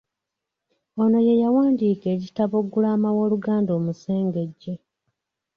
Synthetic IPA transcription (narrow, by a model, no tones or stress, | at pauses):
o̞no̞je̞jawaːndiːke̞ːɟitaβo̞ɡulaːmawo̞ːluɡaːndo̞ːmuse̞ːŋɡe̞ɟːe̞